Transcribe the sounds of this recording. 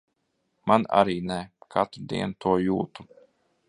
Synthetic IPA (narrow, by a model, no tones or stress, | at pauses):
mana̰ɾiːnækʰa̰t̪ɾud̪ḭɛnt̪ʰuɔjuːt̪u